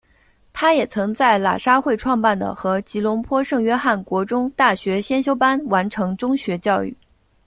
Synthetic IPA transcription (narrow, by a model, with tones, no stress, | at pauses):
t̪ʰa˥jɛ˨˩t͡sʰɤ˧˥ŋt͡sa˥˩ɪla̰˨˩ʂa˥xwe˥˧ɪʈ͡ʂʰwɑ˥˧ŋpa˥˩nd̪ə̰˩xɤ˧˥t͡ɕi˧˥lʊ˧˥ŋpʰwɔ˥ʂɤ˥˩˧ŋɥɛ˥xa˥˩nkwɔ˧˥ʈ͡ʂʊ˥ŋt̪a˥˩ɕɥɛ˧˥ɕjɛ˥nɕjo˥ʊpa˥nwa˧˥nʈ͡ʂʰɤ˧˥ŋʈ͡ʂʊ˥ŋɕɥɛ˧˥t͡ɕjɑ˥˧ʊy̰˥˩